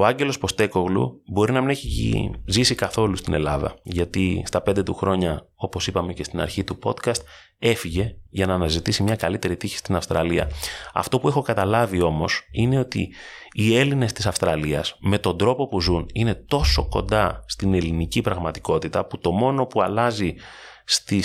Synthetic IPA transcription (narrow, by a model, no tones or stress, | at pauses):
o̞ɐɲɟe̞lo̞spo̞st̪e̞ko̞ɣlṵbo̞ɾinɐmine̞çiḭzisikɐθo̞lust̪ine̞̰lɐðɐ̰ʝɐt̪ist̪ɐpe̞nd̪e̞t̪uxɾo̞ɲɐo̞po̞sipɐme̞ce̞st̪inɐ̰ɾçit̪upo̞t̪kɐst̪̚ | e̞fiʝe̞ʝɐnɐːnɐzit̪isimɲɐkɐlit̪e̞ɾit̪içi̥st̪inɐfst̪ɾɐliɐ̰ɐ̰ft̪o̞pue̞xo̞kɐt̪ɐlɐvio̞mo̞sine̞o̞t̪ḭː | e̞line̞st̪isɐfst̪ɾɐliɐsme̞t̪o̞nd̪ɾo̞po̞puzunine̞t̪o̞so̞ko̞̰nd̪ɐst̪ine̞linicipɾɐɣmɐt̪i̥ko̞t̪it̪ɐput̪o̞mo̞no̞puɐlɐzi | st̪i